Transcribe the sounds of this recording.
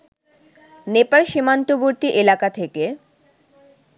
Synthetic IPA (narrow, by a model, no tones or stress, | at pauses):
nepalʃimant̪oboɾt̪iʔelakat̪ʰeke